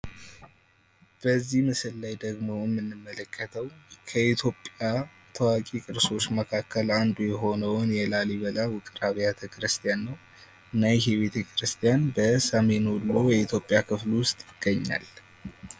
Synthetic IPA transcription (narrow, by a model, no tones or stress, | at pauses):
b̥əzːihmɨsɨlːajd̪əɡmo̞jɛmːɨnːɨmːələkʰːət̪ʰəwkʰəit̪ʰjo̞pʼːja | t̪ʰəwakʼikʼɨɾso̞t͡ʃːməkʰakʰːəland̪ujɛɦo̞nəwnjɛlaliβəlawʊkʼɨɾaβijat̪ʰəkɨɾɨst̪ʰʼijanːəw | ɨnːajɛɦɛβe̞t̪ʰəkʰɾɨst̪ʰʼijanbəsəme̞nhulːojɛit̪ʰjo̞pʼːijakʰɨflwʊst̪ʼjɪɡ̥ːəɲːa̰l